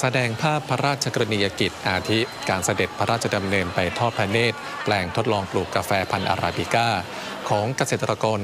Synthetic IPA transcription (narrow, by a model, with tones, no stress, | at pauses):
sa˧dɛː˧ŋpʰaː˥˩pʰːa˦˥ɾaː˥˩t̪̚t͡ɕʰa˧kaɾni˧ja˧ki˨˩t̪̚ʔaː˧t̪ʰi˦˥ | kaː˧nsa˧de˨˩t̪̚pʰa˦ɾaː˥˩t̚t͡ɕʰa˧da˧mnɤː˧npa˧jt̪ʰɔː˥˩t̪̚pʰɛː˧neː˥˩t̪̚ | plɛː˧ŋt̪ʰo˦˥t̪̚lɔː˧ŋpluː˨˩kːa˧fɛː˧pʰa˧nʔa̰˧ɾʔa̰ː˧bi˧˩kaː˥˩ | kʰɔː˩˦ŋka˧seː˨˩t̪ːɾa˧kɔː˧n